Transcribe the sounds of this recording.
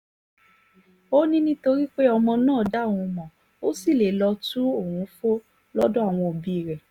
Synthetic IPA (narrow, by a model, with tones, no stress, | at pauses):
o˦nĩ˦nĩ˦to˧ɾi˦k͡pe˦ɔ˧mɔ̃˧nãː˦˨da˨˦˨wũ˧mɔ̃˨ | o˦si˦˨le˨lɔ˧tũ˦o˦˨hũ˨˦fo˦ | lɔ˦dɔ˦a˦˨w̃ɔ̃˧o˨bi˧˦i˨ɾɛ˨